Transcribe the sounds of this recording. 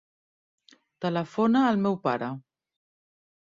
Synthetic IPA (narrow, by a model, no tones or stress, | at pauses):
t̪ələfonaːlˠmɛwpaɾə